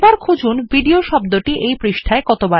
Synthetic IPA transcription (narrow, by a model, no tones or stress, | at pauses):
baɾkʰud͡ʑunbiɖioʃɔb̚d̪oʈiʔejpɾiʃʈʰaekɔt̪oba